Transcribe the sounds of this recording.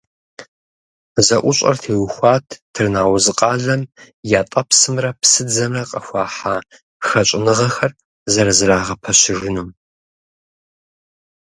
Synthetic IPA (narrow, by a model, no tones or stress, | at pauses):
zɐʔʷʊɕʼɐ̰rtʰeːwxʷɑːtʰtʰɨrnaːwzɨqʼɑːɮɐm | jaːtʼɐpsɨmrɐpsɨd͡zɐmrɐqʼɐxʷɑːħaː | xɐɕʷʼɪnɨʁɐxɐr | zɐɾɐzɨraːʁɐpʰɐɕɪʒɪnuːm